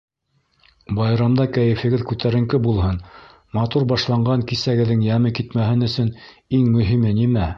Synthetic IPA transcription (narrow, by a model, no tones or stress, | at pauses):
bɑjɾɑmd̪ɑkæjɘ̆fɘ̆ɡɘðkʉt̪æɾɘ̆ŋkɘbulˠɦɤn | mɑt̪uɾbɑʃlˠɑɴɢɑŋkisæɡɘ̆ðːɘŋjæmɘkit̪mæɦɘnɵ̆sɵn | iŋmɵ̆ɦimɘnimæ